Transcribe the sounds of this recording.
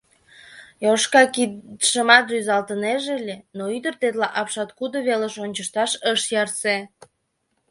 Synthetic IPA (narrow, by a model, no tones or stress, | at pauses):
joʃkɑkiʃəmɑt̪ʒyzɑlt̪əneʒelʲenoyd̪ərt̪et̪lɑʔɑpʃɑt̪kud̪oβeləʃonʲt͡ɕəʃt̪ɑʃəʃjɑrse